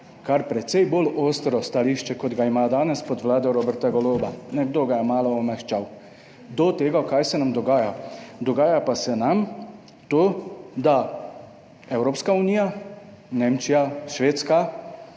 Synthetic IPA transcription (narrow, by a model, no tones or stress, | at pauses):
kaɾpɾɛt̪sɛjboloːst̪ɾɔst̪aliʃt͡ʃɛkɔd̪ɡaimaːd̪aːnɛspɔd̪ʋlaːd̪ɛɾoːbɛɾt̪aɡɔloːbanɛɡd̪oːɡajɛmaːlɔːmɛxt͡ʃaw | d̪ɔt̪eːɡakajsɛnamd̪ɔɡaːjad̪ɔɡaːjapasɛnam | t̪oːd̪a | ɛwɾoːpskauniːja | neːmt͡ʃijaʃʋeːt̪ska